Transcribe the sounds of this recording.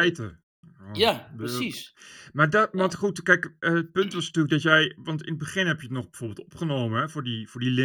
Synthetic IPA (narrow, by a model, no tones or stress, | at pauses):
jtə | aismaːɹdɑntχutkɛjkəət̚pɵntʋɑsnatyːləɡ̚dɑtjɛjʋɑntɪnəd̚bəχɪnɦɛpjətnɔχbɛjvoːɹbɪlˠtɔpχənowmənɛvʊːɹdivʊːɹdilɪ